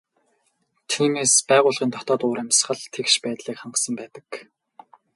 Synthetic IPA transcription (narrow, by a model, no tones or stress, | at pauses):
t̪ʰiːmeːspæːʁʊːɮʁʲiːnt̪ʰɔt̪ɔːt̪ʊːɾæmʲs̆χə̆ɮt̪ʰekʃpæːt̪ɮiːkχaɴɢə̆sə̆mpæːt̪ə̆k